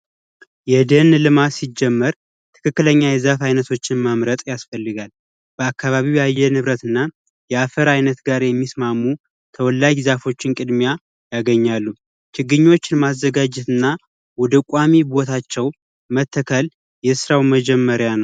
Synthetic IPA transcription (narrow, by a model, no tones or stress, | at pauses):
jɛd̪ənlɨmasid͡ʒːɛmːəɾ | t̪ʰɨ̥kʰɨkːɨləɲːajɛzafajnət̪ʰo̞t͡ʃːɪnməmɾət̪ʼjasfəlːɨɡal | b̥əakːaβaβiwjajːɛnɨβɾət̪ɨnːa | jɛafəɾajnət̪ɡaɾjɛmːismamːu | t̪ʰəwɔlːaɡzafo̞t͡ʃːɪnkʼɨd̪mja | jaɡəɲːalːu | t͡ʃɪɡːɨɲːwo̞t͡ʃːɪnmazːəɡad͡ʒɛt̪ɨnːa | wɔd̪əkʷʼamibo̞t̪ʰat͡ʃːɛw | mət̪ʰːəkʰəl | jɛsɨɾawməd͡ʒɛmːəɾjanəw